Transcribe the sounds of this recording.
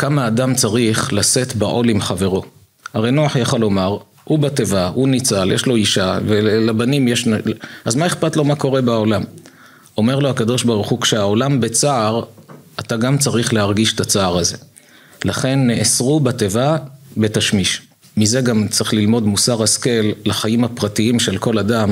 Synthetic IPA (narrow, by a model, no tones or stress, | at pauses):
kamaːdamt͡saʁiχlase̞t̪baʔo̞limχave̞ʁo̞ | aʁe̞jnoaħjaχalo̞maʁ | ubate̞vaunit͡saljeʃlo̞iʃavelabanimjeʃnaazmaeχpat̪lo̞mako̞ʁe̞baolam | o̞me̞ʁlohakad̪o̞ʃbaʁuχukʃeao̞lambet͡saːʁataɡamt͡saʁiχle̞aʁɡiʃet̪at͡saːʁaze̞ | laχe̞nːeʔesʁubate̞vabe̞taʃmiʃ | mize̞ɡamt͡saʁiχlilmo̞dmusaʁhaske̞lːaχajimhapʁatiimʃelko̞ladam